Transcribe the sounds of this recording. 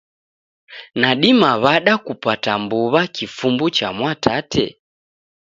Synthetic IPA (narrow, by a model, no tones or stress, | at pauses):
naɗimaβaɗakupatambuβakifumbut͡ʃamwatʰatʰɛ̰